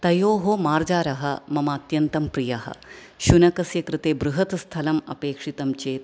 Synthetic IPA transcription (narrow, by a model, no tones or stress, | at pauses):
t̪ɐjoːɦomaːɾd͡ʒaːɾɐɦɐmɐmaːt̪jɐnt̪ɐmpɾijɐɦɐ̰ | ʃunɐkɐsjɐkɾɨt̪eːbɾuɦɐt̪st̪ʰɐlɐmɐ̰peːkʂit̪ɐmt͡ʃeːt̪